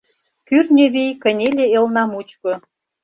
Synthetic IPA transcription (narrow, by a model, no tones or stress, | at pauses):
kyrnʲøβijkə̆nʲelʲeelnɑmut͡ɕkŏ